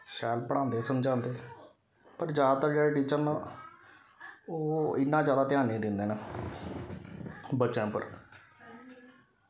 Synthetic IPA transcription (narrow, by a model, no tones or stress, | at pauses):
ʃɛːlpəɽ̃ãːnd̪eːsəmd͡ʒãːnd̪eː | pəɾd͡ʒaːd̪aːt̪əɾd͡ʒeːɽeːʈiːt͡ʃəɾnaː | oːɪnːãːd͡ʒjaːd̪aːt̪ɪaːnẽːd̪ɪnd̪eːnaː | bətːʃãːpə̰ɾ